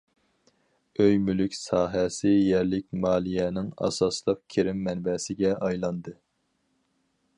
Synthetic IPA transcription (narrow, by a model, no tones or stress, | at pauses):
øjmylykʲsɑːɦɛsɪjɛɾlɪkʲmɑːlˠijɛnɪŋɑ̰sɑslˠəq̚kʲʰeɾɪmːɛnbɛsɪɡʲɛʔɑjlˠɑnd̪ɨ